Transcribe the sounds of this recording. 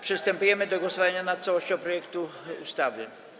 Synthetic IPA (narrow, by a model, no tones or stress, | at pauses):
pʂest̪ɛmpiemet̪oɡosʋajaɲanat̪̚selˠoʃt͡ɕɛopɾojekt̪uust̪aʋʎen